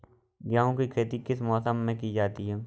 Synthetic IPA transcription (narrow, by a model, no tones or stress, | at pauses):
ɡjaːõkikʰeːt̪ikɪsmɔːsəmːẽkid͡ʒaːt̪iɦɛː